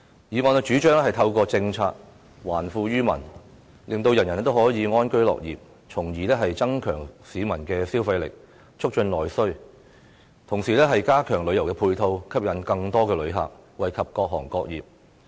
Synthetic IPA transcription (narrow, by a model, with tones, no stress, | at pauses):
jiː˨ŋɔː˧nɛ˧t͡ʃyː˨˥t͡ʃœː˥ŋlɛː˥hɐ˨jt̪ʰɐ˧wkɔː˧t͡sɪ˧ŋt͡sʰa̰ː˧k̚ | waː˨˩nfuː˧jyː˥mɐ̰˨˩n | lɪ˨ŋt̪o˧wjɐ˨˩njɐ˨˩nɛ˥t̪o˥whɔː˨˥jiː˨˧ŋɔː˥nkɵ˥ɥlɔ̰ː˨k̚jiː˨p̚ | t͡sʰʊ˨˩ŋjiː˨lɛː˥ɦɐ˨jt͡sɐ˥ŋkʰœ̰ː˨˩ŋsiː˨˥mɐ˨˩nkɛː˧siː˥wfɐ˧jlɪ̰˨k̚ | t͡ʃʰʊ˥k̚t͡ʃɵ˧nlɔː˨˩jsɵ˥ɥ | t̪ʰʊ˨˩ŋsiː˨˩lɛː˥ɦɐ˨jkaː˥kʰœː˨˩ŋlɵ˨˧ɥjɐ˨˩wkɛː˧pʰuː˧jt̪ʰo˧wkʰɐ˥p̚jɐ˨˥nkɐ˧ŋt̪ɔː˥kɛː˧lɵ˨˧˥ɥɦa̰ː˨˩k̚wɐ˨jkʰɐ˨p̚kɔː˧k̚ɦɔː˨˩ŋkɔː˧k̚jiː˨p̚